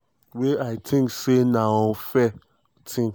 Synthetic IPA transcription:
weaɪtʰĩŋksenaɔfɛ | tʰĩŋ

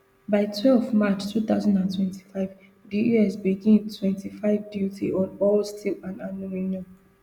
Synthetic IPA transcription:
baɪtʰwɛlfmat͡ʃtʰuθaʊzãndãntʰwɛ̃ntʰi̥faɪv | diɛsbiɡĩntʰwɛ̃ntifaɪvdjutʰiʔɔ̃nɔlstʰilãnanomĩniɔ̃n

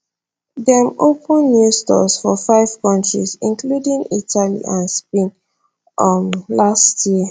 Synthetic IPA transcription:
dɛmopə̃nːjustɔ̰sfɔfaɪv̥kɔ̃ntɹḭzĩnkludĩŋitʰalḭʔãnspẽn | mlastʰjiə

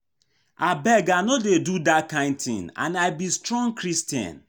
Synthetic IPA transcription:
abɛɡanodedudakãɪ̃n̚t̪ɪ̰̃ŋã̰naɪbistɹɔ̃ŋkɾistjã̰n

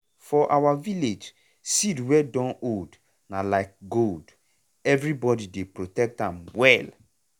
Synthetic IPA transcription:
fɔʔawaviled͡ʒ | sidwɛdɔ̃nod | nalaɪk̚ɡold | ɛvɹibɔdidepɹotɛk̚tãmwɛl

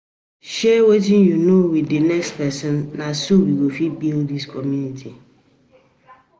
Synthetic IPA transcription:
ʃɛwetĩnjunowidinɛkspɛsɔ̃nːãsuwiɡofibildiskʰɔmjũnitʰi

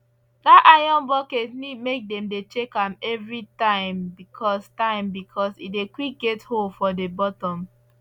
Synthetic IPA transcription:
datʔajɔ̃nbɔketnid̚mek̚dɛ̃mdet͡ʃekãmɛvɹitãɪ̃mbikʰɔstãɪ̃mbikʰɔsit̚dekwik̚ɡetholfɔdebɔtɔ̃m

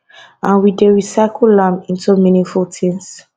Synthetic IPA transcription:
ãnwideɹisakʰullãmĩntuminĩŋfultʰĩns

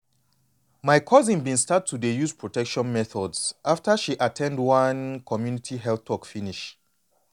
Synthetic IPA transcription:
majkʰɔzĩnbĩnstatʰːudejuzpʰɹɔtʰɛkʃɔ̃nmɛθɔdsʔaftəʃiʔatʰɛ̃ndwãnkʰɔmjunitʰiɦɛlθwɔkfiniʃ

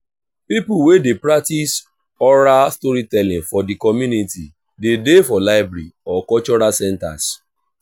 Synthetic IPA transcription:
pipuwedepɾak̚tis | ɔɾastɔɾitɛlĩŋfɔdikɔmjuniti | dedefɔlaɪbɾɛiɔkɔt͡ʃɔɾasɛ̃nta̰s

